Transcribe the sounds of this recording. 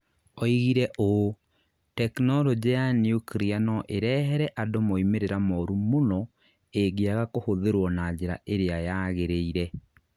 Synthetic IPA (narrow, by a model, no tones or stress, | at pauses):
ɔiɣiɾɛʔo | tɛknɔɾɔd͡ʑejaniukɾianɔʔeɾɛɦɛɾɛʔadomoimeɾeɾamɔɾumonɔ | eɡiaɣakohoðeɾwɔnad͡ʑeɾa̰ʔeɾeajaɣeɾeiɾɛ